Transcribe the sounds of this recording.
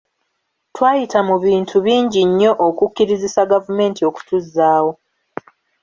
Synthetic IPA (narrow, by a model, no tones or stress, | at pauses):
twaːjitamuβiːntʰuβiːɲɟiɲːo̞ʔokukːiɾizisaɡavume̞ːntio̞ku̥tuzːaːwo̞